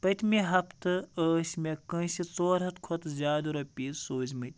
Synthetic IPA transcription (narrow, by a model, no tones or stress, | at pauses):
pɐt̪ʰʲmiɦɐpʰt̪ɨəːsʲmekɐ̃ːsit͡soːɾɦɐt̪kʰot̪zʲaːd̪ɾɐpʲiːzsoːzʲmɨt̪ʲ